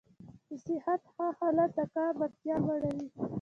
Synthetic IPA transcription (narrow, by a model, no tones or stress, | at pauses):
d̪əsɪhat̪hahɑlat̪̚d̪akɑbak̚t̪jɑbaɽawi